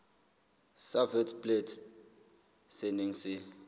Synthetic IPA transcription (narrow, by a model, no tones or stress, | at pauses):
savɛtʰpʼlet | seniŋ̩si